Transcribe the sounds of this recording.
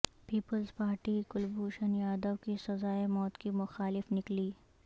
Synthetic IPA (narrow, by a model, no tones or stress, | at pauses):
piːpəlzpaːɾʈikʊlbuːʃənjaːd̪əʋkisɐzaːemɔːt̪kimʊxaːlɪfnɪkliː